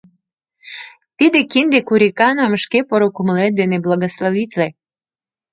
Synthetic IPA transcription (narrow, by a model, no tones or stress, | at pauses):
t̪id̪ekind̪ekuɾʲikɑnoməʃkepoɾokumlet̪̚d̪eneblɑɣosloβit̪le